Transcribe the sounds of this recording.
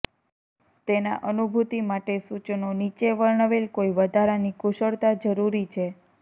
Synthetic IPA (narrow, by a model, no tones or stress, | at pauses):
t̪ena̰ʔənubʱut̪imaʈesut͡ʃnonit͡ʃeʋəɭɳəʋelkoiʋəd̪ʱaɾanikuʃəɭt̪ad͡ʒəɾuɾit͡ʃʰe